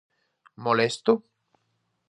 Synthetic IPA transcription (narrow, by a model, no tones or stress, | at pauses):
molɛst̪u